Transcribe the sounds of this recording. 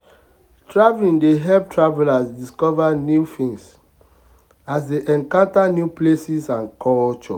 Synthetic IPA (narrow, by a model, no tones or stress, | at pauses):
tɹavlĩndeɦɛp̚tʰɹavɛlasdiskɔvanjufĩŋs | asdeʔɛ̃ŋkãntanjuplesisãnkʰɔlt͡ʃɔ̰